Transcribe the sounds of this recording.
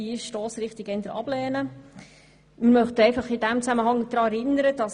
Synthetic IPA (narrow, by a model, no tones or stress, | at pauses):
iʃtoːsɾɪχt̪ɪɡ̥ɛnd̪əɾɑ̰b̥lɛːnə | mɪɾmœχt̪əɛɪfɑχɪdæmt͡sæməɦɑŋd̥ɾɑːɛɾɪnəɾəd̥ɑs